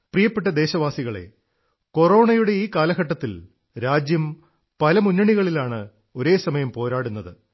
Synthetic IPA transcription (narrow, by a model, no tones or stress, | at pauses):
prijɐpːeʈ̬ːɐd̪e̞ːɕɐʋaːsiɣɐɭe̞̰ | ko̞ro̞ːɳɐjuɽe̞iːkaːlɐɣɐʈːɐt̪ːil | ɾaːd͡ʑjɐm | pɐlɐmunːɐɳiɣɐɭilaːɳɨ | o̞ɾe̞ːsɐmɐjɐmpo̞ːɾaːɽunːɐðɨ